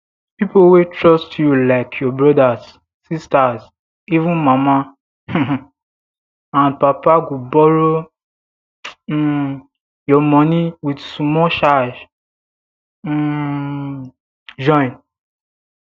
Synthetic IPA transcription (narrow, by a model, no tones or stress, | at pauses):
pipowetʰɹɔstʰjulaɪkʰjɔbɹɔdazː | istaz | ivũnmamã | ãnpapaɡobɔɹo | jɔmɔniwidsumɔʃad͡ʒ | d͡ʒɔ̃ɪ̃n